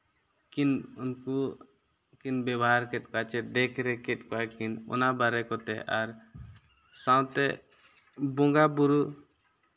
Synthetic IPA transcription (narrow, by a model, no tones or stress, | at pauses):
kinunku | kinbɛbɔɦaɾkɛʈ̚kat͡ʃɛd̪ɛkʰɾɛkɛʈ̚kɔakinṵnabaɾɛkɔt̪ɛ̰ʔaɾ | sawt̪ɛ | bɔ̃ŋɡabuɾu